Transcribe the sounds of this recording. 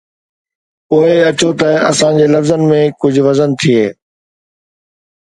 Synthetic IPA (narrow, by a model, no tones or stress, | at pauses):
ʊɦeɐt͡ɕot̪ɐɐ̰sãd͡ʑeːlɐfzənɪ̆mẽkʊd͡ʑʱʋɐzənt̪ʰieː